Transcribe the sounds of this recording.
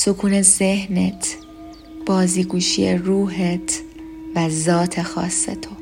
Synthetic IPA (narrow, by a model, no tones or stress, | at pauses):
sokʰuːnezehnet̪ʰ | b̥ɒːziːɡuːʃḭeruːɦet̪ʰ | væzɒːt̪ʰexɒ̰ːsːḛt̪ʰo